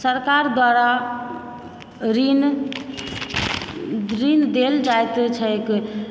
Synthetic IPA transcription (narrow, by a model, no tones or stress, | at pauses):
səɾkaɾd̪waɾa | ɾin | ɾind̪eld͡ʒajt̪t͡ʃʰək